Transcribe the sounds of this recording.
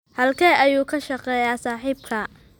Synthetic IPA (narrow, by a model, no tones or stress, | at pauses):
hɐlkʰɛːʔɐjuːkʰɐʃɐqɛːjaːsaːħiːb̚kʰɐ